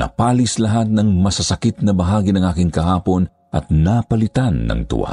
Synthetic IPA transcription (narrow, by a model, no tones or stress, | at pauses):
nɐ̰paːlɪslɐɦat̪̚nɐŋmɐsasɐkɪt̪̚nɐbɐɦaːɡinɐŋʔaːkɪŋkɐɦaːpo̞n | ʔɐ̰t̪̚napɐlɪt̪anːɐ̰ŋt̪ʊ̰ʔa̰